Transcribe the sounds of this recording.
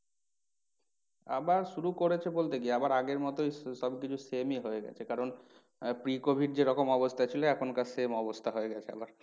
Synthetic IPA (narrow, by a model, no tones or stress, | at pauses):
a̰baɾʃuɾukoɾet͡ɕʰebolt̪eɡieabaɾaɡeɾmɔt̪ojʃɔbkit͡ɕʰusemiɦoeɡɛ̰t͡ɕʰekaɾon | pɾikobʱiɖ̚d͡ʑeɾɔkomɔbost̪ʰat͡ɕʰiloɛkʰonkasemɔbost̪ʰaɦoeɡɛt͡ɕʰea̰baɾ